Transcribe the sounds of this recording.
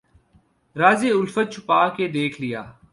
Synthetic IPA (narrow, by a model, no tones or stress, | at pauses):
ɾaːzeːʊlfət̪̚t͡ʃʰʊpaːked̪eːkʰlɪja̰ː